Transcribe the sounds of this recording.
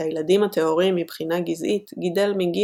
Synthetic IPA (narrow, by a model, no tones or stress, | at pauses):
ajladimat̪eo̞ʁiimːibχinaɡizʔit̪ɡid̪e̞lmiɡi